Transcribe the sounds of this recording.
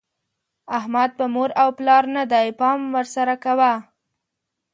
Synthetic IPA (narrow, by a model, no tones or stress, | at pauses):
ahmad̪̚pəmoɾawplɑɾnad̪ajpɑmwəɾsaɾakawa